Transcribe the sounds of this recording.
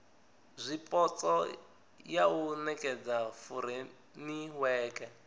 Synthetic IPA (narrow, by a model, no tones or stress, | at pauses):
zʷipʼɔt͡sʼɔ | jaunɛkʼɛd͡zafuɾɛ | niwɛːkɛ